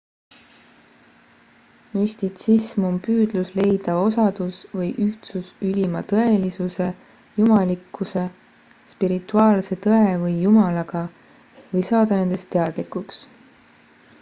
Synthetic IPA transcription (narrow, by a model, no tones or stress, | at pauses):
mysʲt̪it̪sismompyːd̪̥lusle̞jd̪̥ɑo̞sɑd̪̥usvɤjʔyht̪susylʲimɑt̪ɤe̞lisuse̞ | jumɑlikːˑuse̞ | spiɾit̪ːˑuɑːlse̞t̪ɤevɤjːumɑlɑɡ̥ɑ | vɤjsɑːd̪̥ɑne̞nd̪e̞st̪ːeɑd̪̥likuks